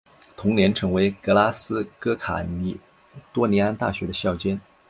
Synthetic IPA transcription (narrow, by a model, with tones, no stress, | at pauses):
t̪ʰʊ˧˥ŋnjɛ˧˥nʈ͡ʂʰɤ˧˥ŋwe˧˥ɪkɤ˧˥la˥sɹ̩˥kɤ˥kʰa̰˨˩ni˧˩ | t̪wɔ˥ni˧˥a˥nt̪a̰˥˩ɕɥɛ˧˥d̪ə˧ɕjɑ˥˩ʊt͡ɕjɛ˥n